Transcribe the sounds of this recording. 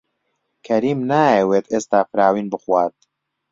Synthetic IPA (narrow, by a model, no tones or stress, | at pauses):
kʰɐɾiːmnaːjeweːt̪ʰeːst̪aːfɾaːwiːnbɨxwaːt̪̚